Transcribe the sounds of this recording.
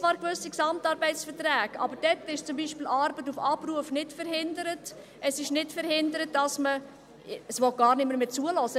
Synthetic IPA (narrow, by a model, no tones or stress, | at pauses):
t͡sʋɑːɾkvøsiksɑmtɑːɾbɛɪtsfəɾtræːkɑ̰bəɾd̥ɛtɪʃt͡sʊmbiːʃpiːlʔɑːɾbətufɑpruəfnɪtfəɾhɪndəɾət | ʔəsɪʃnɪtfəɾhɪndəɾət̚d̥ɑsmə | əsʋɔt̚ɡ̥ɑːɾnɪməmet͡suəlɔsə